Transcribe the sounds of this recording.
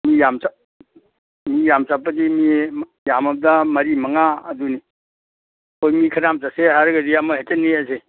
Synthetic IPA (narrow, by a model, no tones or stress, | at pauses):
mijamsa | mijamsapːɐdimi | jamɐb̚damɐɾimɐŋaɐ̰duni | ojmikʰɐɾamsaseɦaɾɡɐdijamɐɦetenːiase